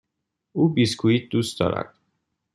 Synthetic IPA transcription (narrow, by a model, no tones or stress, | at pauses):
uːbiskʰuiːt̪̚d̪uːst̪d̪ɒ̰ːɾæ̰d̪̥